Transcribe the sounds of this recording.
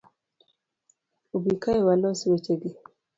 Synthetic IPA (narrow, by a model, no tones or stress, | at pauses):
ubikaewalɔsiwet͡ʃeɡi